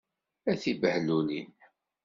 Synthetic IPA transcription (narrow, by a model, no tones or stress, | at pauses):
æθibəhlunḭn